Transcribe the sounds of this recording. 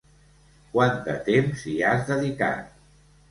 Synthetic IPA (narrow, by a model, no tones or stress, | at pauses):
kwand̪ət̪emziazðəðika̰t̪̚